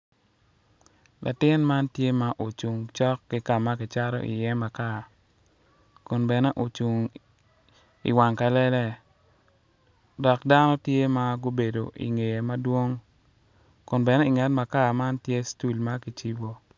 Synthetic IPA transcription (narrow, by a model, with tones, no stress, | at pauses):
lʔa̰˨tɪ˦nma˦ntje˦ma˦ʔo˨t͡ʃu˨ŋt͡ʃɔ˦kːi˦ka˨ma˦kɪ˨t͡ʃa˦ɾɔ̰˦ʔḭ˨jɛ˦ma˨ka˦˨ | kʊ˨nbɛ˨nɛ˦ʔo˨t͡ʃu˨ŋ | ḭ˨wa˨ŋka˨lɛ˦lɛ˦ | dɔ˨kda˦nɔ˦tje˦ma˦ɡo˦be˨do̰˨ʔḭ˨ŋe˨je˨ma˦dwo˦ŋ | kʊ˨nbɛ˨nɛ˦i˨ŋa˨˦tma˨ka˦˨ma˦ntje˦stu˦lma˦ki˨t͡ʃi˦bo˦